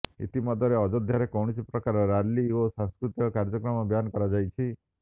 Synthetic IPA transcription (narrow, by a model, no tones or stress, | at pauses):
ḭt̪imɔd̪ʱɔɾeɔd͡ʒod̪ʱjaɾekɔwɽ̃isipɾɔkaɾɔɾalːiosãŋskɾut̪jɔkaɾd͡ʒɔkɾɔmɔbjankɔɾad͡ʒajt͡ʃʰi